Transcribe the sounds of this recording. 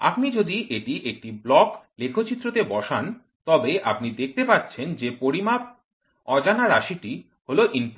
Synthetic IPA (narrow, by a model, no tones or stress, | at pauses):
a̰pnid͡ʑod̪iʔeʈiʔek̚ʈiblɔklekʰot͡ɕit̪ːɾot̪ebɔʃan | t̪ɔbeʔa̰pnid̪ek̚ʰt̪epatːt͡ɕʰend͡ʑepoɾima | ɔd͡ʑanaɾaʃiʈi | holoʔinp